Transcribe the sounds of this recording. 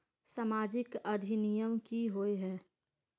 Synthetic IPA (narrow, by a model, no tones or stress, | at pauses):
saːmaːd͡ʒɪkɐd̪ʱinijəmkiɦoːeɦɛː